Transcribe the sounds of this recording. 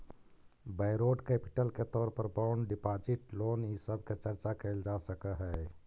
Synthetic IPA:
bəɪɾoɖkepi̥ʈəlket̪ɔːɾpəɾbaʊnɖipad͡ʒiʈloːnisəb̚ʱket͡ʃəɾt͡ʃakəɪld͡ʒasəkəɦɛ

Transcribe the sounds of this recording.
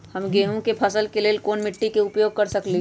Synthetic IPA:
hɐmɡeːɦõkepʰɐsəlkeleːlkoːnmɪʈːikeʊpjoːɡ̚kɐɾsɐkli

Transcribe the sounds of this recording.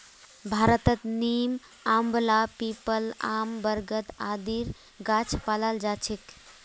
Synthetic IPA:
bʱaɾət̪ət̪nim | ambəlapipəla̰mbəɾɡət̪ad̪iɾ | ɡat͡ʃʰpalald͡ʒat͡ʃʰik

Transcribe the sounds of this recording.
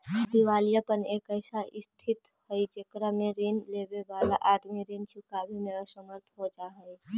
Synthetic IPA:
d̪iʋaːlijapəneːkəɪsaʔɪst̪ʰɪt̪həid͡ʒekɾamẽɾiːnleːbebaːla̰ʔaːʈʰmĩɾiːnt͡ʃʰʊkabʱimeːɾasəməɾt̪ʰɦod͡ʒaɦəi

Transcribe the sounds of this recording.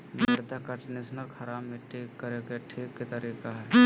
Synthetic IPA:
məd̪akɐʈnisnəɾkʰɐɾaːbmẽʈʰiːkːɐɾekeʈʰiːkːit̪ɐɾiːkaɦɛː

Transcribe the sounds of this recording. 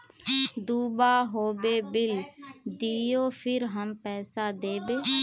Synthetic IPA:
d̪uːbaːɦoːbeːbɪld̪ijoːpʰɪɾɦəmpɛːsaːd̪eːbeː

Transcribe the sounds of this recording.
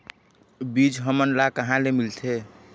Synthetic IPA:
bid͡ʒɦəmənlakəɦãlemilt̪ʰe

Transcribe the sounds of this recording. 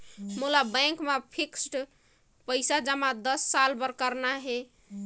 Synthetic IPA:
mulabə̃kmepʰiksʈ | pəɪsad͡ʒəmad̪əsːalbəɾkəɾnaɦe

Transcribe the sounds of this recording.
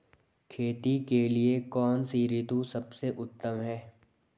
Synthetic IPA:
kʰeːt̪ikeliekɔːnsiːɾɪt̪ũsɐbseʔʊt̪ːəmɦɛː

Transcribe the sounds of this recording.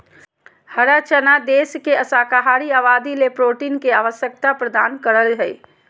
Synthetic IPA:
həɾat͡ʃənad̪eskeəsaːkaɦaɾiaːʋad̪ilepɾoʈinkeaːʋəsjək̚t̪apɾəd̪aːnkəɾəlɦəj

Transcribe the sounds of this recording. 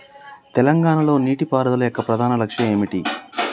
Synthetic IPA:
t̪ɛlɐŋɡaːnɐlo̞ːniːʈipaːɾɐd̪ɐlɐjokːɐpɾɐd̪ʱaːnɐlɐkʂjɐme̞ːmiʈi

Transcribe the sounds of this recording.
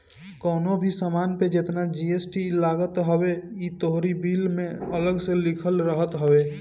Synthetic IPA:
kɔːnobʱisəmaːnped͡ʒet̪nad͡ʒiesʈilaːɡət̪ɦəweit̪oɦɾibiːlmẽələɡselɪkʰəlɾəɦət̪ɦəweː

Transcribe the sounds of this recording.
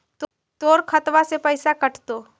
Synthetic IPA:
t̪ | t̪oːɾkʰɐt̪ʋasepəɪsakɐʈt̪oː

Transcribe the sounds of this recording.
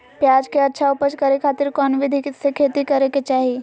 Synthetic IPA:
pjaːd͡ʒkeɐtːʃʰaʊpəd͡ʒkɐɾekʰaːt̪ɪɾkɔːnʋɪd̪ʱisekʰeːt̪ikɐɾeket͡ʃaːɦe

